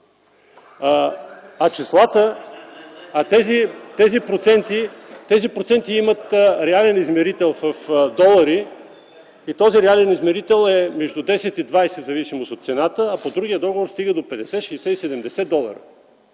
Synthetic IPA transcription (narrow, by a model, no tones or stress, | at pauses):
ɐt͡ʃislˠat̪ə | at̪ɛzit̪ɛzipɾot̪sɛnt̪it̪ɛzipɾot̪sɛnt̪iimət̪ɾɛalɛnizmɛɾit̪ɛlˠfəfd̪ɔlˠɐɾi | it̪ɔziɾɛalɛnizmɛɾit̪ɛlˠɛmɛʒd̪ud̪ɛsɛt̪id̪vajsɛd̪zɐvisimost̪ot̪t̪sɛnat̪əːpod̪ɾuɡijəd̪ɔɡovoɾst̪iɡəd̪opɛd̪ɛsɛʃɛsɛisɛd̪ɛmd̪ɛsɛd̪ɔlˠɐ̰ɾə̰